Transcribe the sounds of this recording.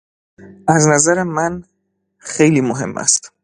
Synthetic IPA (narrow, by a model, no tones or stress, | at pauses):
æznæzæɾemæn | xejliːmoɦe̞̰mːʔæ̰st̪